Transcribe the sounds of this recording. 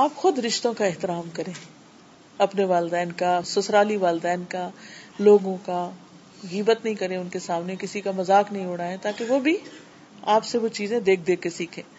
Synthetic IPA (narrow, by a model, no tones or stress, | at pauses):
aːpxʊd̪ɾɪʃt̪õkaɪɦt̪ɪɾaːmkɐɾẽː | ɐpneʋaːld̪ɛːnkasʊsɾaːliʋaːld̪ɛːnkaloːɡõka | ɣiːbət̪nɐɦĩkɐɾẽʊnkesaːmnekɪsikamɐzaːknɐɦĩʊɽaːẽt̪aːkeʋobʱi | aːpseʋot͡ʃiːzẽd̪eːk̚ʰd̪eːkesiːkʰẽː